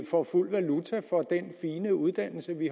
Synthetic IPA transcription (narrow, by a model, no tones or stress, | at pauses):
fɒful̰ʋælut͡sʰæfɒ̽d̥enfiːnəuð̞ˠd̥æn̰l̩səʋi